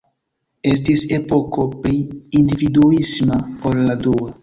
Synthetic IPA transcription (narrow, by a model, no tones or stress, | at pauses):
e̞s̬tise̞po̞ko̞pɾiːndividuismaolːadoa